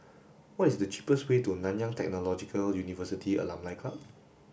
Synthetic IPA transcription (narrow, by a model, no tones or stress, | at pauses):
wɔtisdət͡ʃi̥pəswetunãnjãŋtɛ̰k̚nolɔd͡ʒikʰəljunivəsitʰiə̰lãmlajkʰlap̚